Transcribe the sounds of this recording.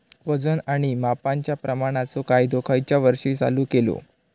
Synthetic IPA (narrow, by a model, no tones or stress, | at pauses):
ʋəd͡zənaɽ̃imapaɲt͡ɕjapɾəmaɽ̃at͡sokajd̪okʰajt͡ɕjaʋəɾʂiːt͡sa̰luːkelo̰